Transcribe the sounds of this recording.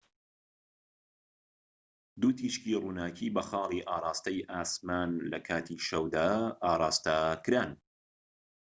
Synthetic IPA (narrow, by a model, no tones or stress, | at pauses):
d̪uːt̪ʰiːʃkiruːnaːcʰiːbɐxɑːliːʔaːɾˤɑːst̪ɐjʔaːsmaːnlɐkʰaːt̪ʰiːʃɐwd̪aːɾˤɑːst̪akɾaːn